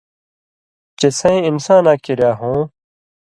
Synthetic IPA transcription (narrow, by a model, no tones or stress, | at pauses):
t͡ɕesɐ̃ẽimsãːnaːkiɾjaːɦõː